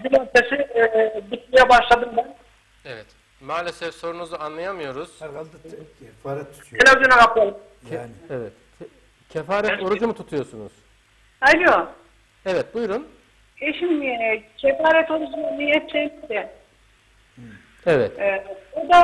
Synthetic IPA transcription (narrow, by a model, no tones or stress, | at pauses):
b̪imot̪ʰesɪbit̪mijɛbaʃlˠad̪ɯmb̪æn | evɛt̪ | maːlʲesɛfso̞ɾunuzaanlˠajamɯjo̞ɾuz̥ | enaonabaklˠalˠɯmʰ | evɛt̪ | cʰefaːɾɛt̪o̞ɾud͡ʒumut̪ʰut̪ʰujo̞sunṵz̥ | alʲjo | evɛt̪̚bujɾun | eʃimd̪ijacʲʰefaːɾɛt̪o̞ɾud͡ʒumunijɛpʃejmizd̪ɛ | evɛt̪od̪a